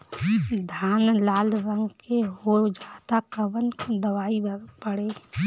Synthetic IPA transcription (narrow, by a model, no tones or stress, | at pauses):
d̪ʱaːnlaːlʋə̃ŋɡkeɦod͡ʒaːt̪akəbənd̪əʋaːipəɽe